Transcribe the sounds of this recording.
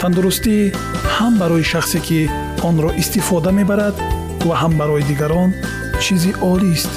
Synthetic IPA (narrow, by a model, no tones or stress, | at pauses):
t̪ʰand̪uɾust̪i | hambaɾɔjiʃaχsekʰi | ɔnɾɔʔist̪ifɔd̪ame̞baɾad̪ | vaɦambaɾɔjid̪iɡaɾɔn | t͡ʃʰiziʔɔlist̪